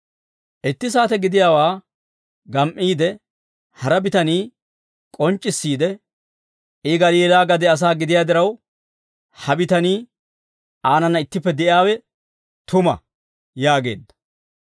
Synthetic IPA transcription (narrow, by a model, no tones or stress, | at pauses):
ʔɪt̪ːɪs̬aːt̪ɛɡɪd̪ɪjaːwaː | ɡɐmʔiːd̪ɛ | hɐɾɐbɪt̪ɐniː | kʼɔnt͡ʃʼːɪsːiːd̪ɛ | ʔɪɡɐliːlaːɡɐd̪ɛɐs̬aːɡɪd̪ɪjaːd̪ɪɾɐw | hɐbɪt̪ɐniː | aːnɐnːɐɪt̪ːɪpːɛd̪ɛʔɪaːwɛ | t̪ʰʊmɐ̰ | jaːɡe̞̰ːd̪ːɐ̥